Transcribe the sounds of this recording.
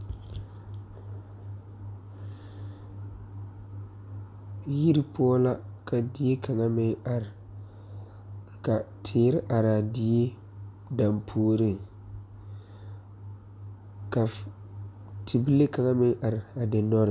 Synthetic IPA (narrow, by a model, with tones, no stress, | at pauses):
ji˦ɾi˦pʰʊ˦ɔ˦la˦kʰa˨di˦e˦kʰa˨ŋa˦mɪ˦ŋa˨ɾ | ka˨tʰɪː˨ɾɪ˦ʔa˨ɾɪ˨a˨dɪ˦e˦ | da˨mpʰuː˦ɾɪ˦˨ŋ | ka˨ | tʰi˨bi˦le˦ka˨ŋa˦mɪ˦ŋʔa˨ɾɪ˨a˨dɪ˨nɔ˦ɾɪ˨